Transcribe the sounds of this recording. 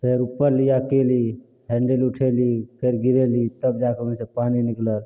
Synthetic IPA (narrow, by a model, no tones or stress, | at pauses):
pʰeɾupːəɾlijakeli | ɦɛɳɖeluʈʰelipʰeɾɡiɾelit̪əb̚d͡ʒakemẽnsẽpaːninikləl